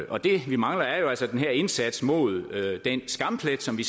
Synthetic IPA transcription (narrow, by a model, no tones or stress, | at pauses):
ʔɒ̽d̥e̝ʋimɑ̈ŋlɐæɐjo̝ælsɒd̥enɦæɐ̰e̝nsæd̥smo̝ð̞ˠød̥ensɡ̥ɑ̈m̰pʰled̥sɒ̽mʋis